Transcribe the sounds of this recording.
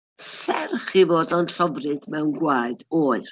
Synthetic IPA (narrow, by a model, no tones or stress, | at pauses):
sɛrχivoːdɔnɬɔvrɨd̥mɛwnɡwaɨdoːɨr